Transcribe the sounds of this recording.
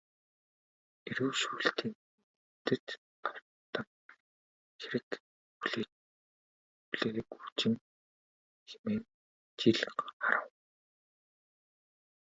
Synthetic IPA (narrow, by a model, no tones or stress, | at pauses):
eɾɘ̆wʃuːɬt̪ʰiːŋ | t̪ɘ̆t̪ | ɢar | t̪ə̆n | xiɾɘ̆k | puɮeː | puɮeːɾekut͡ɕɪ̆ŋ | xemeːn | t͡ɕiɮχaɾə̆w